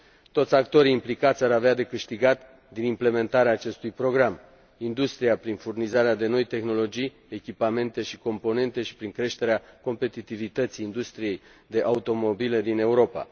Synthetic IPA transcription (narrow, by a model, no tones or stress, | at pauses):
t̪o̞t̪sʲakt̪o̞ɾiːmplikat̪sʲaɾavead̪e̞kɨʃt̪iɡat̪ | d̪inimple̞me̞nt̪aɾeaːt͡ʃe̞st̪ujpɾo̞ɡɾam | ind̪ust̪ɾijapɾinfurnizaɾead̪e̞no̞jt̪e̞xno̞lo̞d͡ʒij | e̞kʲipame̞nt̪e̞ʃiko̞mpo̞ne̞nt̪e̞ʃi̥pɾiŋkɾe̞ʃt̪e̞ɾeako̞mpe̞t̪it̪ivit̪ət̪siːnd̪ust̪ɾije̞j | d̪e̞ʔaut̪o̞mo̞bile̞d̪ine̞uɾo̞pa̰